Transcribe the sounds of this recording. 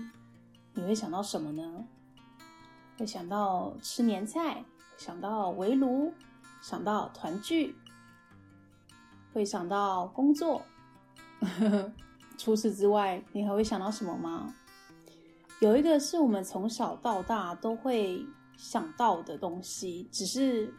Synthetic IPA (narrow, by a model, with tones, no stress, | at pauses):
ni˨˩xwe˥˩ɪɕjɑ˨˩ŋt̪ɑ˥˩ʊʂə˧˥nmə˧nə˦ | xwe˥˩ɪɕjɑ˨˩ŋt̪ɑ˥˩ʊʈ͡ʂʰɻ̩˥njɛ˧˥nt͡sʰa˥˩ɪ | wɕjɑ˨˩ŋt̪ɑ˥˩ʊwe˧˥ɪlu˧˥ | ɕjɑ˨˩ŋt̪ɑ˥˩ʊt̪ʰwa˧˥nt͡ɕy˥˩ | xwe˥˩ɪɕjɑ˨˩ŋt̪ɑ˥˩ʊkʊ˥ŋt͡swɔ˥˩ | ʈ͡ʂʰu˥ʂɻ̩˥˩ʈ͡ʂɻ̩˥wa˥˩ɪni˨˩xa˧˥xwe˥˩jɑ˨ŋt̪ɑ˥˩ʊʂə˧˥mə˧ma˧ | jo˨˩ʊi˧˥ɡə˧ʂɻ̩˥˩wɔ˨˩mə˦nt͡sʰʊ˧˥ŋɕɑ˨˩ʊt̪ɑ˥˧ʊt̪a˥˩t̪o˥ʊxwe˥˩ɪ | ɕjɑ˨˩ŋt̪ɑ˥˩ʊd̪ə˩t̪o˥ŋɕi˦ʈ͡ʂɻ̩˨˩ʂɻ̩˥˧